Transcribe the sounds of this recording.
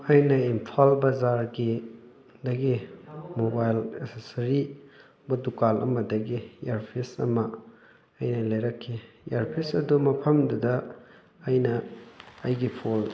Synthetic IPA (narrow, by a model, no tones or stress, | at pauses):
ɐjnɐimpʰalbɐzaɾɡi | dɐɡimobajlḛsesɐɾi | bɐdukalɐ̰mɐdɐɡijeɾpʰisɐ̰mɐː | jnɐlɐjɾɐkʰːi | jeɾpʰisɐdumɐpʰɐmdudɐː | jnɐː | jɡipʰol